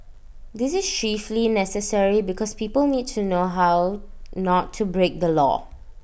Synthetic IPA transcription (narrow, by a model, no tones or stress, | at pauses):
disɪst͡ʃiflinɛsəsəɹibikʰɔspipəlnit̚tʰunoɦawnɔtʰːubɹek̚dəlɔ̰